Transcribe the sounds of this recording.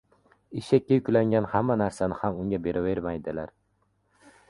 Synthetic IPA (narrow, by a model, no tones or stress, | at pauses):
ɪʃakʲːajʊkʲlaŋɡʲanhamːanaɾsanɪhamʊŋɡʲabe̞ɾʔave̞ɾmajd̪ɪlaɾ